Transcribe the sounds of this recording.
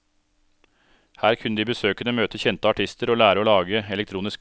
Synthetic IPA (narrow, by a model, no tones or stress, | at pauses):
hæːɾkʰʉnəd̪iːbəsøːkənəmøːt̪əçɛnt̪əɑʈʰɪst̪əɾoːlæːɾəoːlɑːɡəɛlɛk̚t̪ʰɾuːnɪsk